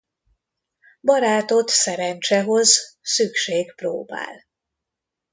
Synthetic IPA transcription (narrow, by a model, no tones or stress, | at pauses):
bɒɾaːt̪o̞t̪sɛɾɛnt͡ʃɛɦo̞zsykʃeːɡpro̰ːba̰ːl